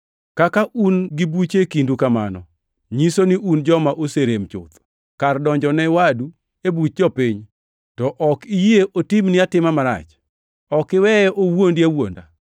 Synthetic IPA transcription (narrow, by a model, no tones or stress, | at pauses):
kakaʔunɡibut͡ʃekindukama̰nɔ̰ | ɲisoniʔund͡ʒɔmaʔoseɾemt͡ʃʊ̰t̪ | kardɔɲd͡ʒɔnɛwadu | ebut̚d͡ʒɔpiɲ | tɔʔɔkijieʔotimnɪatɪmamaɾa̰t͡ʃ | ɔkɪwɛɛʔowondiawo̰nda̰